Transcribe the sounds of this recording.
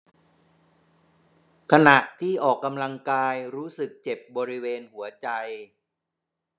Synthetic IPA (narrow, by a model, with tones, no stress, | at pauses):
kʰa˧na˨˩ʔt̪ʰiː˥˩ʔɔː˨˩kːa˧mla˧ŋkaː˧jɾuː˦˥sɯ˨˩k̚t͡ɕe˨˩p̚bɔː˧ɾi˦˥weː˧nhu˩˦ɐt͡ɕa˧j